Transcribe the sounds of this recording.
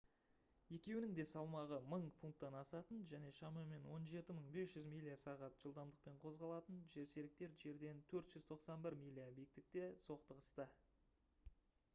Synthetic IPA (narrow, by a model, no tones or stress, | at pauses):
je̞kʲe̞wɪnɪŋd̪e̞sɑlˠmɑʁəməɴfunt̪ːɑnɑsɑt̪ənʒæne̞ʃɑmɑme̞nwo̞nʒe̞t̪ɪməɴbe̞sʒ̥ʏzmijlʲːijasɑʁɑt̪ʒ̥əlˠd̪ɑmd̪əq̚pe̞ɴqʰo̞zʁɑlˠɑt̪ənʒe̞ɾse̞ɾɪk̚t̪e̞ɾʒe̞ɾd̪e̞nt̪ʰɵɾt̪ʒ̥ʏzt̪ʰo̞qsɑnbɪɾmʲijlʲːijabijɪk̚t̪ɪk̚t̪e̞so̞qt̪əʁəst̪ə